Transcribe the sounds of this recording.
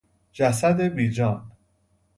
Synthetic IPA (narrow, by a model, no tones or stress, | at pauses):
d͡ʒæsæd̪ebiːd͡ʒɒːn